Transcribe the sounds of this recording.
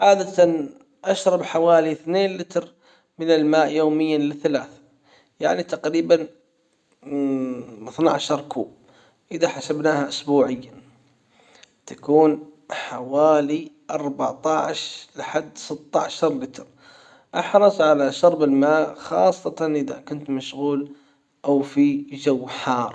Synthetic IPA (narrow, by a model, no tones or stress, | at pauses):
ʕaːd̪at̪ | ʔaʃɾˤɑbħawaːliθneːnlɪt̪ɾ | mɪnɪlmaːʔjoːmɪjːalɪθalaːθa | ja̰ʕnit̪aqɾiːban | ɪθnaʕʃɑɾˤkʰuːb | ʔɪðaħasabnaːhaʔʊsbuːʕɪjːa | t̪akuːnħawaːliʔɑɾˤbaʕt̪ˤɑʕʃlɪħad̪ːsɪt̪ːa̰ʕʃɑɾˤlɪt̪ɾ | ʔɑħɾˤɑsˤʕalaʃɑɾˤbɪlmaːʔxɑ̰ːsˤːɑt̪ɑnʔɪða̰kʊnt̪maʃɣuːl | ʔawfid͡ʒawːħɑːɾˤ